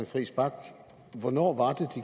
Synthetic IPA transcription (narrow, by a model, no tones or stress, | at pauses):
enfʁḭːsb̥ɑ̈ɡ̥ | ʋɒnɒ̰ːʋɑ̈d̥ed̥i